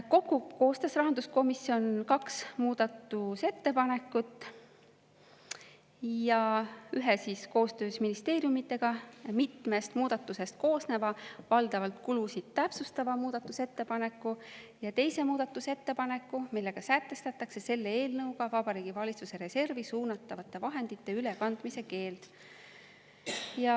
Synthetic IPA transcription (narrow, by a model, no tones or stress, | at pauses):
ko̞kːˑuko̞ːst̪ɑsrɑɦɑnd̪̥usko̞misːio̞nkɑksmuːd̪̥ɑt̪ːuse̞t̪ːe̞pɑne̞kːˑut̪ːˑ | jɑyɦesiːsko̞ːst̪ø̞ːsminist̪e̞ːɾjumit̪ˑːe̞ɡ̥ɑmit̪me̞st̪muːd̪̥ɑt̪ːˑuse̞st̪̚ko̞ːsne̞vɑvɑld̪̥ɑvɑlt̪kulusid̪̥̚t̪ːæpsust̪ɑvɑmuːd̪̥ɑt̪ːˑuse̞t̪ːe̞pɑne̞kːu | jɑt̪e̞jse̞muːd̪̥ɑt̪ːˑuse̞t̪ːe̞pɑne̞kːumilːe̞ɡ̥ɑsæt̪ːˑe̞st̪ɑt̪ːˑɑkse̞se̞lːeeːlnɤwɡ̥ɑvɑb̥ɑɾiːɡ̥ivɑlʲit̪suse̞ɾe̞se̞rvisuːnɑt̪ːˑɑvɑt̪ːˑe̞vɑɦe̞nd̪̥it̪ːe̞ylekɑnd̪̥mise̞ke̞ːld̪̥ | jɑ